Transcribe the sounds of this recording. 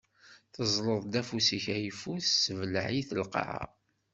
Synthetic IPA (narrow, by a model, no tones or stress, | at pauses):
θəzˤləðˤd̪æfusiçæjfuθːəvləʕiθəlqɑ̰ʕɑ̰